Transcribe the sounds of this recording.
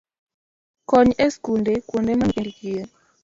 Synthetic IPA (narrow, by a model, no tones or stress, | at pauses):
kɔɲeskundekwondemanedkie